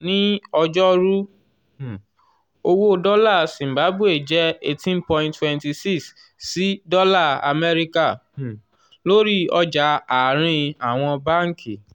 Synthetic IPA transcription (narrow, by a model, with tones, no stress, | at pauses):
nĩ˦ɔ˧d͡ʒɔ˦ɾu˦˨ | o˧wo˦˧dɔ˦la˦˨sĩ˨m̩˨ba˨˦bu˦˨e˨d͡ʒɛ˦e˦tĩ˦npɔ̃˦˧jĩ˧ntwɛ̃˧nti˧si˦ks | si˨˦dɔ˦la˦˨a̰˧mɛ˦ɾi˦ka˦˨ | lo˦ɾi˦˨ɔ˧d͡ʒa˧˦a˨ɾ̃ĩ˧a˨w̃ɔ̃˧ba˦ŋ̩˦ki˨